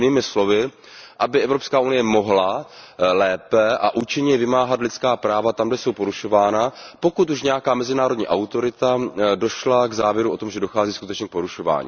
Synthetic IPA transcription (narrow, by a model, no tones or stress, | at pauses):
niːmɪslo̞vɪ | ʔabɪʔɛvɾo̞pskaːʔunɪjɛmo̞ɦlalɛːpɛʔa̰ʔuːt͡ʃɪɲɛvɪmaːɦat̪lɪt͡skaːpɾaːvat̪amɡdɛso̞wpo̞ɾuʃo̞vaːnapo̞kut̪uʃɲɛjakaːmɛzɪnaːɾo̞dɲḭːʔawt̪o̞ɾɪt̪ado̞ʃlaɡzaːvjɛɾuo̞t̪o̞mʒɛdo̞xaːziːskut̪ɛt͡ʃɲɛk̚po̞ɾuʃo̞va̰ːɲḭ